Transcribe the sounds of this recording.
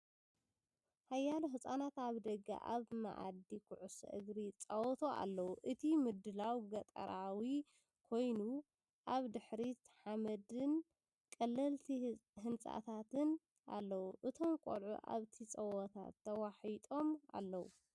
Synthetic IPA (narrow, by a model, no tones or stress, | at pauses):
hajːaluɦɨsʼanat̪aβd̪ɐɡa̰ʔaβma̰ʕa̰d̪ikʰuʕusɐ̰ʔɨɡɾit͡sʼɐwɔt̪ʰo̞ʔa̰lːɐwuʔɨt̪ʰimɨd̪ɨlawɡɐt̪ʼɐ̰ɾawi | kʰo̞jnu | ʔaβd̪ɨħɾit̪ʰħamɐd̪ɨn | kʼɐlːɐlt̪ʰihɨnt͡sʼa̰t̪ʰat̪ʰɨn | ʔa̰lːɐwuʔɨt̪ʰo̞mkʷʼo̰lʕṵʔa̰βt̪ʰit͡sʼɐwɐt̪ʰa̰t̪ʰːɐwaħit̪ʼo̞mʔa̰lːɐwṵ